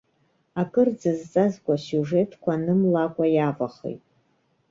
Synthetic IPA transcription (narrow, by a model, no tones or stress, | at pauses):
akʼɨrd͡zɨzt͡sʼazɡʷʼasjuʐetʰkʷanɨmlakʷʼajavaχḛjtʼ